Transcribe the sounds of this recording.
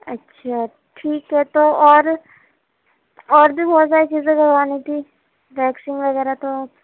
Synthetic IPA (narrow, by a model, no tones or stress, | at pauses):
ɐtːʃʰaː | ʈʰiːkɦɛt̪oɔːɾ | ɔːɾbʱibʱɔːt̪saːɾit͡ʃiːzẽkɐɾʋaːnit̪ʰiː | bɛːksɪ̃ŋɡʋɐɣɛːɾat̪oaːp